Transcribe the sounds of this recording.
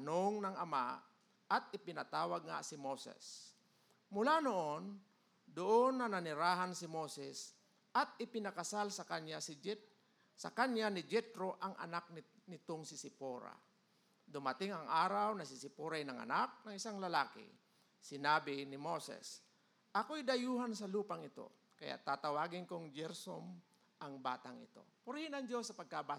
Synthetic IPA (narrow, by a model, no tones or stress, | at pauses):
anoŋnaŋɐma | at̪̚ɪpɪnat̪aːwaɡ̚ŋa̰sɪmoːsɛ̰s | mʊlanoʔon | d̪ʊʔonːananɪɾaːɦansɪmoːsɛs | at̪̚ɪpɪnakasalsakaɲas | sa̰kaɲjanɪd͡ʒɛt̪ɾoʔaŋʔa̰nak̚nɪnɪt̪oŋsɪsɪpoɾa̰ | d̪ʊmat̪ɪŋɐŋʔaːɾawnɐsɪsɪpoɾajnɐŋɐ̰nak̚nɐŋɪsaŋlɐlaːkɪ̰ | sɪnaːbɪnɪmosɛ̰s | ʔɐkojd̪ɐjuːɦansɐluːpaŋɪt̪o̰ | kɐja̰ʔt̪aːt̪ɐwaːɡɪnkoŋd͡ʒɛɾsom | ʔɐŋba̰ːt̪aŋɪ̰t̪o̞̰pʊɾɪhɪnɐŋd͡ʒosːɐpɐɡ̚kaba